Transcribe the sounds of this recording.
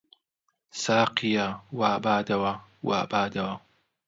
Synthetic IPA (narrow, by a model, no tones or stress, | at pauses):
saːqijawaːbaːd̪ɐwɐwa̰ːbaːd̪ɐwɐ